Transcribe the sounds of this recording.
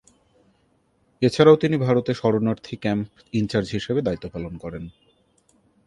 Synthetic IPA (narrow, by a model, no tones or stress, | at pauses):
et͡ɕʰaɾaot̪inibʱaɾot̪eʃɔɾonaɾt̪ʰikɛmp | int͡ɕaɾd͡ʑɦiʃebed̪ait̪ːopalonkɔɾen